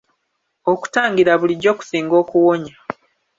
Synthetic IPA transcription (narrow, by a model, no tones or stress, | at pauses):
o̞ku̥taːŋɡiɾaβuliɟo̞ːku̥siːŋɡo̞ːkuwo̞ɲa